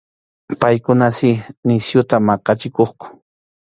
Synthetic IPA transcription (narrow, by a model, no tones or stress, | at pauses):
pajkʊnasɪnɪsjʊt̪amɑqɑt͡ʃɪkoχkʊ̥